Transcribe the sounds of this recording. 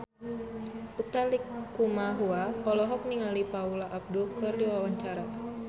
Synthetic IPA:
ut̪alikːumaɦuaɔlɔɦɔk̚niŋalipaulaʔab̚dukɨrdiwawaɲt͡ʃaɾa

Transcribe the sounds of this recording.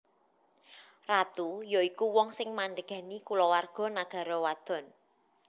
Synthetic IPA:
rat̪ujɔikuwɔŋsɪŋmanɖəɡ̥a̤nikulɔwarɡ̥ɔ̤naɡ̥a̤ɾɔwad̪̥ɔ̤n

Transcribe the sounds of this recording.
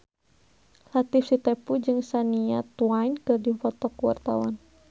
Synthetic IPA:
lat̪ifsit̪ɛpud͡ʒɨŋsaniat̪uwainkɨrdifɔt̪ɔkuwa̰rt̪awan

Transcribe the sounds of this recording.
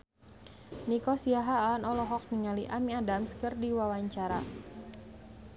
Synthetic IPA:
nikɔsiaɦaːanɔlɔɦɔk̚miŋaliʔamiadamskɨrdiwawaɲt͡ʃaɾa

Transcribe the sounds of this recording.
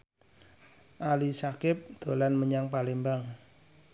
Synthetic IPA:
ʔalisakɪp̚d̪̥o̤lanməɲaŋpalembaŋ

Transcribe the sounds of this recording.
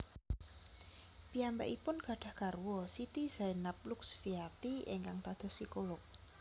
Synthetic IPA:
piambɛ̰ʔipʊnɡ̥ä̤ɖ̥a̤hɡ̥arwɔsit̪iz̥ajnap̚luksfiat̪iɪ̰ŋkaŋt̪ad̪̥ɔ̤sikolʊk̚

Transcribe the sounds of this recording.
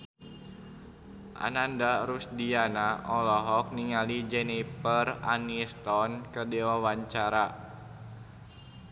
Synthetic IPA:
ʔa̰nandaɾusdianaʔɔlɔɦɔk̚niŋalid͡ʒɛnipəra̰nist̪ɔnkədewawaɲt͡ʃaɾa

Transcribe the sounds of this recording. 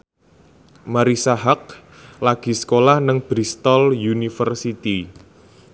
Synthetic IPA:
maɾisaɦak̚ | laɡ̥i̤sə̥kolahnəŋb̥ɾist̪ɔljunifərsit̪i

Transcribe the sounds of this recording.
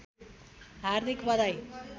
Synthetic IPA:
ɦard̪ʱikbʌd̪aj

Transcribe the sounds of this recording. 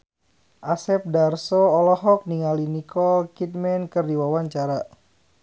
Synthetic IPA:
ʔasɛp̚darsoɔlɔɦɔk̚niŋalinikɔlkit̪̚mɛnkərdiwawaɲt͡ʃaɾa

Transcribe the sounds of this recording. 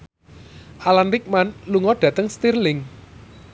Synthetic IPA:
ʔalanrik̚manluŋɔɖ̥ä̤t̪əŋst̪irlɪŋ

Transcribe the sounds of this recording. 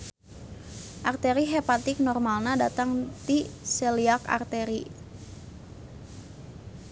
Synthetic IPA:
ʔart̪ɛɾiɦepat̪ɪk̚nɔrmalnadat̪aŋt̪isɛliaka̰rt̪ɛɾi

